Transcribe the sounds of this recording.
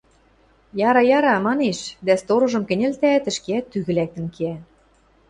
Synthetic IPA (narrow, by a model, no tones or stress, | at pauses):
jɑɾɑjɑɾɑmɑneʃd̪æst̪oɾɤ̆ʒɤ̆mkɘ̆nʲĕlt̪æːt̪ɘ̆ʃkeæt̪ːyɣɘ̆læk̚t̪ə̆nkeæ